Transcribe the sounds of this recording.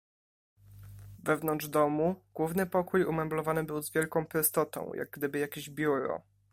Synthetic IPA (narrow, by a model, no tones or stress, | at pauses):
vɛvnɔndʐd̪ɔmuɡ̥wuvnɘpɔkujumɛmblɔvanɘbɘwzvʲjɛlkɔ̃w̃pɾʊst̪ɔt̪ɔ̰̃w̃jʔa̰ɡ̚ɡd̪ɘbɘjakʲeʑbʲjuɾɔ̰